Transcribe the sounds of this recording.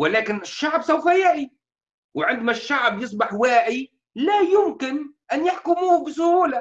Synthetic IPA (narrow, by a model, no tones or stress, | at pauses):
wɪlaːkɪnɪʃːaʕbsawfajaʔi | wɪʕɪnd̪maʃːaʕbjɨs̬ˤbɑħwaːʕi | lajʊmkɪnʔanjaħkʊmuːbɪs̬ʊhuːla